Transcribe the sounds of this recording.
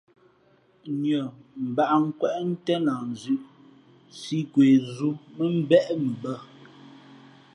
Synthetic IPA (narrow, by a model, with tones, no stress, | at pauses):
ɲə˨m̩˨ba˨ʔŋ̩˦kwɛ˦ʔn̩˦tɛ˦na˨n˨zʉ˦ʔ | si˦kwe˨zu˦mə˦m̩˦bɛ˦ʔmə˨bə˦